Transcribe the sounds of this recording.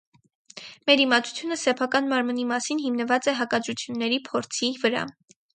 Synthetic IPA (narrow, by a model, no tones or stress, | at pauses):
mɛɾimɑt̪ʰu̥t͡sʰjunəsɛpʰɑkɑnmɑɾmənimɑsinɦimnəvɑt͡sɛɦɑkɑd̪ɾut͡sʰjunːɛɾipʰɔɾt͡sʰivəɾɑ̰